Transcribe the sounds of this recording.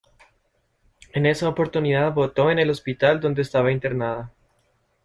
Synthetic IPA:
e̞ne̞saopo̞ɾt̪uniðaðβo̞t̪o̞ene̞lo̞spit̪ald̪o̞nd̪eːst̪aβaint̪e̞ɾnaða

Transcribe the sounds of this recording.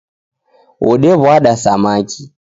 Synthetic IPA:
ɔɗɛβwaɗasamakʰi

